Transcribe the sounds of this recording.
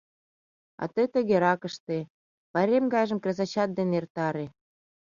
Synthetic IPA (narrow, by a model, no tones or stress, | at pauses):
ɑ̰t̪ət̪ə̆ɣeɾɑkə̆ʃt̪e | pɑɾʲemɡɑjʒə̆mkrʲezɑt͡ɕɑt̪̚d̪enert̪ɑɾe